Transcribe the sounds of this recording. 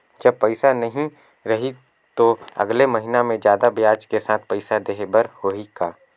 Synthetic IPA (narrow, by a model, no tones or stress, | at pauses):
d͡ʒɐb̚pɐɪsanɐɦĩ | ɾɐɦi | t̪oɐ̰ɡlemɐɦinamẽd͡ʒjaːd̪abjaːd͡ʒkesaːt̪̚ʰpɐɪsad̪eːɦbəɾhoikaː